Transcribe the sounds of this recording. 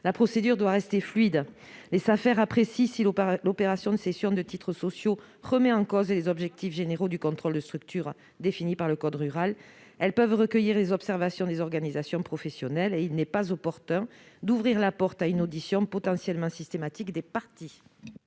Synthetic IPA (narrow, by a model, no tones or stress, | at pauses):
lapχɔsed̪yʁd̪waʁɛst̪eflɥid̪ | lezafɛʁapχesisillɔpeʁasjɔ̃d̪əsesjɔ̃d̪ət̪it̪χəsɔsjo | ʁəmɛɑ̃kɔzlezɔbʒɛk̚t̪ifʒeneʁod̪ykɔ̃t̪χɔld̪əst̪χyk̚t̪yʁ | d̪efinipaʁləkɔd̪ʁyʁal | ɛlpœvʁəkəjiʁlezɔpsɛʁvasjɔ̃d̪ezɔʁɡanizasjɔ̃pχɔfɛsjɔnɛleilnɛpazɔpɔʁt̪ɛ̃d̪uvʁiʁlapɔʁt̪aynod̪isjɔ̃pɔt̪ɑ̃sjɛlmɑ̃sist̪emat̪ikd̪epaʁt̪i